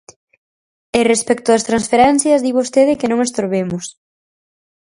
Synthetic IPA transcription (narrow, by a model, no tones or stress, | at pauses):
erespɛk̚t̪ʊðɐst̪ɾansfeɾɛnθjɐzðiβost̪eð̞ɪkenõŋest̪oɾβemʊs